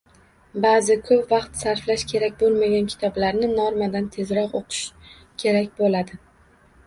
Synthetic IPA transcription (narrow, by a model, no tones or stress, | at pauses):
baːzɪkʰɵpvɑqt̪saɾflaʃkʲʰe̞ɾakʲbolˠmaɡʲankʲʰɪ̥t̪ʰɒblaɾnɪnɒɾmad̪ant̪ʰe̞zɾɒqoqʰɨ̥ʃ | kʲʰe̞ɾakʲbolad̪ɪ